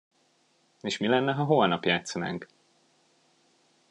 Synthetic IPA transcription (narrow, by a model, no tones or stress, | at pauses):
eːʃmilɛnːɛɦɒɦolnɒpjaːt̪sɒna̰ːŋk